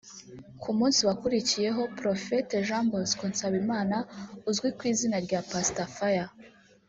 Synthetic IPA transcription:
kʰumuːnsiwakuɾicije̞ɦo̞pɾofeteʒãmboskunsaβimaːnauzɡwikwiːzinaɾɟapastafaja

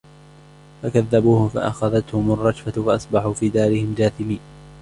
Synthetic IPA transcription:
fakaðːabuːhʊfa̰ʔa̰xaðat̪hʊmʊrˤːɑd͡ʒfafaʔɑsˤbɑħuːfiːd̪aːɾɪhɪmd͡ʒaːθɪmiː

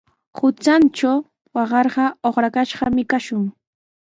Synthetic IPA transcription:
hʊt͡sant͡ʃaw | wɑɢɑɾɢɑoχɾakaʃɢɑmɪkaʃʊŋ

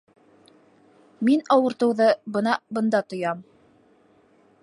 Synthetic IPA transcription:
minɑwɤ̆ɾt̪ɤ̆wðɤbɤnɑbɤ̆nd̪ɑt̪ŏjɑm

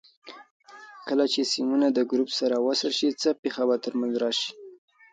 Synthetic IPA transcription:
kəlat͡ʃesimunad̪əɡɾupsaɾawasəɾʃit͡səpexabat̪əɾmanzɾɑʃi̥

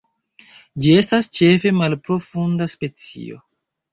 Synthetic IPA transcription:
d͡ʒie̞stast͡ʃe̞fe̞malpɾo̞fundaspe̞t͡sḭo̞̰

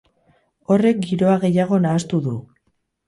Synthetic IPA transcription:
o̞re̞k̚ɡiɾo̞aɣe̞jaɣ̞o̞naːst̪uðu

